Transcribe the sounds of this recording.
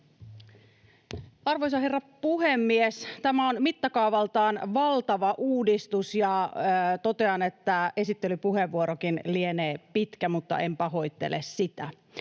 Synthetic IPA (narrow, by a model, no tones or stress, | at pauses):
ɑrʋojs̬ɑɦerːɑpuhe̞mːiest̪æmæonmit̪ːɑkɑuʋɑlt̪ɑːnʋɑlt̪ɑʋɑʔuːdist̪usjɑt̪o̞t̪e̞ɑnet̪ːæe̞sit̪ːelypuɦeʋːuoɾokinlieneːpit̪kæmut̪ːɑ̰ʔempɑɦo̞jt̪ːḛlessit̪æ̰